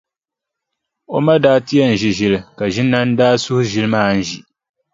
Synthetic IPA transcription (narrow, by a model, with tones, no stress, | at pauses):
o̰˦ma˦daː˦ti˦a˦n̩˨ʒi˨ʒɪ˦˨lka˨ʒɪ˦nːa˦n̩˦daː˦sʊ˦hʊ˦ʒɪ˦lɨ˦maː˦n̩˦ʒi˨